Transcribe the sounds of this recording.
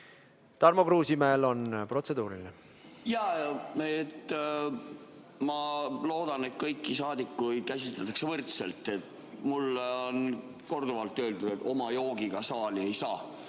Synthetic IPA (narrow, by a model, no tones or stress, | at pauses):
t̪ɑrmokruːsimeeːlo̞npro̞t̪se̞d̪̥uːɾḭline | jɑet̪ː | mɑlo̞ːd̪ɑne̞t̪̚kɤjkːisɑːd̪ikːujkæsʲit̪let̪ːˑɑksevɤrt̪selt̪ːˑe̞t̪ | mulːo̞n | ko̞rd̪̥uvɑlt̪ːøːld̪ud̪̥e̞t̪ːo̞mɑjo̞ːɡiɡ̥ɑsɑːlie̞jsɑː